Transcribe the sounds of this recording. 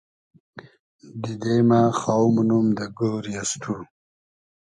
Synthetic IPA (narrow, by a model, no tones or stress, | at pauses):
d̪id̪emaxawmunumd̪ɐɡoːɾiast̪ʰu